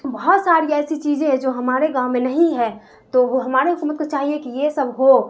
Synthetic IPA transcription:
bɐɦɔt̪saːɾiɛːsit͡ʃiːd͡ʒẽɦd͡ʒoːɦɐmaːɾeɡãːʊmẽnɐɦĩɦɛ̃ | t̪oɦɦɐmaːɾeɦʊkuːmət̪̚kot͡ʃaːɦiekijesəbʱɦo

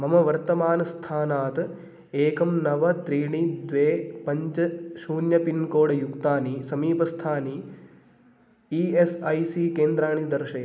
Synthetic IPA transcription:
mɐmɐʋɐɾt̪ɐmaːnɐst̪ʰaːnaːt̪ | eːkɐmnɐʋɐt̪ɾiːɳid̪ʋeːpɐɲt͡ʃɐʃuːnjɐpinkoːɽɐjukt̪aːnisɐmiːpɐst̪ʰaːni | iesɐjsiːkeːnd̪ɾaːɳid̪ɐɾʃɐjɐ

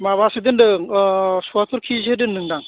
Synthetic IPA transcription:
maβased̪ɯndɯ | suat̪ʰuɾkʰizedɯnːɯŋdaŋ

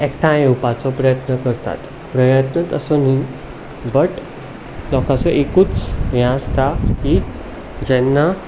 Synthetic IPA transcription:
ɛkʈʰãeupat͡sɔpɾəjət̪nəkəɾt̪a̰t̪ | pɾəjət̪nət̪ə̰soni | bəʈ | lɔkat͡sɔʔekuːt͡sjãəst̪aki | d͡ʑɛnːa

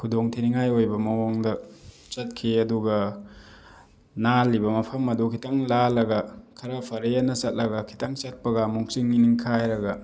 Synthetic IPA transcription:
kʰudoŋtʰiniŋajojbɐmɐwoŋdɐ | t͡ʃɐt̚kʰiɐduɡɐ | nalːibɐmɐpʰɐmɐdukʰitaŋlalɐɡɐkʰɐɾapʰɐɾejanɐsɐt̚lɐɡɐkʰi̥taŋt͡ʃɐt̚pɐɡɐmuŋsiŋːiniŋkʰajɾɐɡɐ

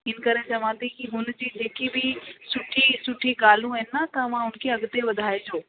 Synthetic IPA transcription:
ɪn̆kɐɾet͡ɕɐʋãt̪ʰikiɦʊnd͡ʑiːd͡ʑeːkibʱɪsʊʈʰisʊʈʰiɡaːl̤ũəɦɪnɪat̪ɐɐʋ̤ãɦʊnkʰeɐɡt̪eʋɐd̪ʱaːed͡ʑoː

